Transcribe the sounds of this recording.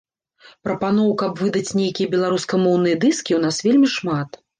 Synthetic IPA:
pɾɐpan̪ɔwkɐpvɨd̪ɐt͡sʲnʲejkʲijɐbʲɛlˠaɾuskɐmɔwnɨjɐd̪ɨskʲiwnasvʲelʲmʲiʂmat̪

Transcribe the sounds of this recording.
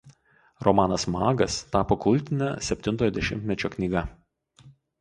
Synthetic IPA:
ɾɔmɑːnɐsmɑːɡɐst̪ɑːpoːkʊlʲˑt̪ʲɪnʲæ̰ːsʲɛpʲt̪ʲɪnt̪oːjɔːd̪ʲɛʃʲɪ̰mʲt̪ʲmʲɛt͡ʃʲoːknʲiːɡɐ

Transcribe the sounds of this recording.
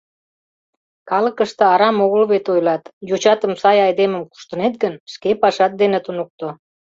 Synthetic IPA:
kɑləkəʃt̪ə̆ɑɾɑmoɣəlβet̪ojlɑt̪jut͡ɕɑt̪əmsɑjɑjd̪eməmku̥ʃt̪ənet̪̚ɡənʃkepɑʃɑt̪̚d̪enet̪unuk̚t̪o

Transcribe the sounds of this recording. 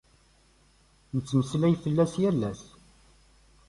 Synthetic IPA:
nət͡sːməslæjfəlːæsjælːæs

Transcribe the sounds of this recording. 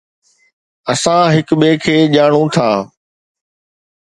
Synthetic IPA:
əsãɦɪkɓeːkʰeːʄaːɳ̃ũːt̪ʰaː

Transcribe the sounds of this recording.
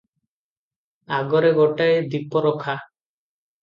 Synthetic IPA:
aɡɔɾeɡɔʈaed̪ipɔɾɔkʰa

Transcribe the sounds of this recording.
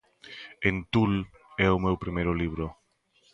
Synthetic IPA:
ent̪ul | ɛʊmewpɾimejɾʊliβɾʊ

